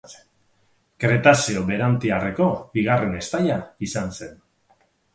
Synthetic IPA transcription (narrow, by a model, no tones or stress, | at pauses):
kɾe̞t̪asioβe̞ɾant̪iareko̞biɣ̞are̞ne̞st̪aʎaisanse̞n